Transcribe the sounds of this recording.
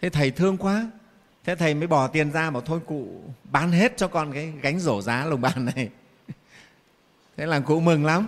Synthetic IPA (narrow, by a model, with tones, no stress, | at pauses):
t̪ʰe˨˦t̪ʰə˨˩jt̪ʰɨ˧əŋkwaː˨˦ | t̪ʰe˨˧˦t̪ʰə˨˩jməː˨˦jɓɔ˧˩t̪i˨˩ənzaː˧ɓaː˨˩wt̪ʰo˧jkṵ˧˨ɓaː˨˦nɦe˦˥t̚t͡ɕɔ˧kɔ˨˩nkaː˨˦jɣa˨˦jŋ̟zo˧˩zaː˨˦lə˨˩wŋ͡mɓaː˨˩nːa˨˩j | t̪ʰe˨˦laː˨˩ŋkṵ˧˨mɨ˨˩ŋla˨˦m